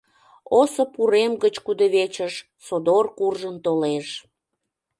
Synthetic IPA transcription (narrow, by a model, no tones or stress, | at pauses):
osəpuɾemɡət͡ɕkud̪əβet͡ɕəʃ | sod̪orkurʒənt̪oleʃ